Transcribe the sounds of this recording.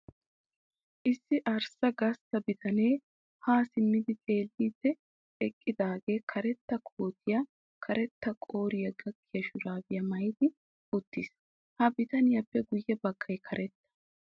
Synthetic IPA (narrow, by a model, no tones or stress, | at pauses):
ʔɪsːɪʔɐɾsɐɡɐst̪ɐbɪt̪ʰɐneː | haːsɪmːɪd̪ɪkʼe̞ːlːiːd̪ːɛ | ɛkʼːɪd̪aːɡe̞ːkʰɐɾɛt̪ːɐkʰoːt̪ʰɪjɐ | kʰɐɾɛt̪ːɐkʼo̞ːɾɪjɐɡɐkːɪjɐʃʊɾaːbɪjɐmɐjd̪ɪ | ʊt̪ːɪːs | hɐbɪt̪ɐnɪjɐpːɛɡʊjːɛbɐkːɐjkʰɐɾɛt̪ːɐ̥